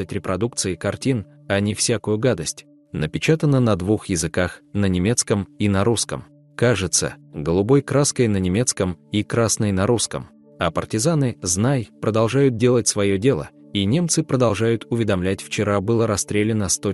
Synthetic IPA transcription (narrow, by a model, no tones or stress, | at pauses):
ətʲɾʲɪpɾɐd̪uk̚t̪sɨɪkɐrtʲin | ɐnʲɪfsʲakʊjʊɡad̪əsʲtʲ | nəpʲɪt͡ɕat̪ənːənɐd̪vuxjɪzɨkaxnənʲɪmʲe̞t̪skəminɐɾuskəm | kaʐɨt̪sə̰ɡəlˠʊbo̞jkɾaskəjnənʲɪmʲe̞t̪skəmikɾasnəjnɐɾuskə̰m | ɐpərtʲɪzanɨznajpɾəd̪ɐlˠʐajʊt̪̚dʲe̞lˠətʲsvɐjodʲe̞lˠə̰ | inʲe̞mt̪sɨpɾəd̪ɐlˠʐajʊt̪ʊvʲɪd̪ɐmlʲætʲft͡ɕɪɾabɨlˠəɾɐst̪ɾʲelʲɪnəst̪o